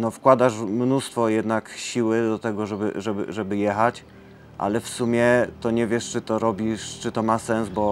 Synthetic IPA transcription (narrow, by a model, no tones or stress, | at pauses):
nɔfkwad̪aʂmnust̪fɔjɛd̪nakɕiwɘd̪ɔt̪ɛɡɔʐɛbɘ̰ʐɛbɘ̰ʐɛbɘjɛxat͡ɕ | ʔa̰lɛfsumʲjɛt̪ɔɲɛvʲjɛʂt͡ʂɘt̪ɔɾɔbʲiʂt͡ʂɘt̪ɔmasɛnzbɔ